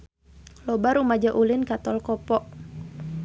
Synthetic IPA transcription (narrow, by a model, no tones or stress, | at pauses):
lɔbaɾumad͡ʒaʔulɪnkat̪ɔlkɔpɔʔ